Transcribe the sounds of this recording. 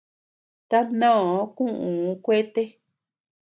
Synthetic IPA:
t̪a˦nõ˦˨˦kũ˦ʔũ˨˦kʷe˦t̪e˦

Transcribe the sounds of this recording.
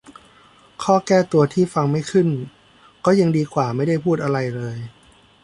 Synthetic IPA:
kʰɔː˥˩kɛː˥˩t̪u˧ɐt̪ʰiː˥˩fa˧ŋma˥˩jkʰɯ˥˩n | kɔː˥˩jɯ˧ŋdiː˧kʰwaː˨˩ma˥˩jda˥˩jpʰuː˥˩t̪̚ʔa˧ɾa˧jlɤː˧j

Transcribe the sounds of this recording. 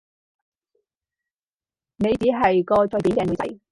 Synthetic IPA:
ne˨˧jt͡siː˨˥ɦɐ˨jkɔː˧t͡sɔ˨˧jpi˨˥kɛː˧˩nu˨˧t͡sɐ̰˨˩j

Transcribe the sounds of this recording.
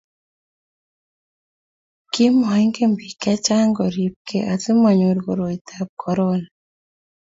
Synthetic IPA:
ki˦mɔ˨ɛ˦ŋɡe˦mbi˨ka˦t͡ʃa˦ŋɡɔ˨ɾi˨p̚kʰe˨ʔa˨ti˦ma˨ɲo˨ɾɣo˨ɾo˨i˨ta˨p̚kʰɔ˨ɾɔ˦na

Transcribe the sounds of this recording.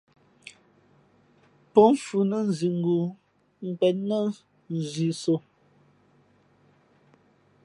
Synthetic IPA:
pɔ˨˦m˦fu˨nə˦n̩˨zi˨ŋ̩˨ɡu˨ | ŋ̩˨k͡pɛ˨t̚nə˦ | n̩˨zi˨so˨

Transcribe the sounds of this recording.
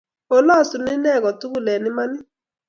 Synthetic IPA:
o˨lɔ˦˨su˨nɪ˦nɛ˦˨kɔ˨tu˦ku˦˨lɛ˨ni˦ma˦ni˦

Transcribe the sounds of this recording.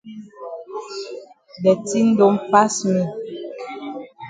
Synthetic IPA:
dɛ˨ti˦n̩˦do˨˦mpa˦smi˨

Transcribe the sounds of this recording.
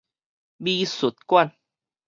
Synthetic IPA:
biː˧su˨˦t̪̚kwa˥˧˨n

